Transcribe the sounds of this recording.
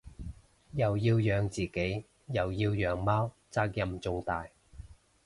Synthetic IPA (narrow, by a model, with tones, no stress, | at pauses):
jɐ˨wjiː˧wjœː˨˧ŋt͡siː˨˩ke˨˥j | jɐ˨˩wjiː˧wjœː˨˧ŋmaː˥w | t͡saː˧k̚jɐ˨mt͡sʊ˧ŋt̪aː˨j